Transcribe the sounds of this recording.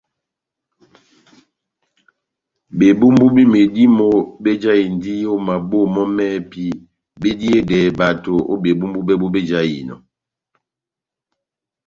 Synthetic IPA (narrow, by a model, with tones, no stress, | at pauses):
be˨bu˦mbu˦bi˦me˨di˦mo˦˨be˦d͡ʒa˦i˨n˨di˦jo˦ma˨bo˦˨mɔ˦mɛː˦pi˦ | be˦di˦e˦dɛ˨ba˨to˨o̰˦be˨bu˦mbu˦be˦bo˦be˦d͡ʒa˦jḭ˨nɔ̰˨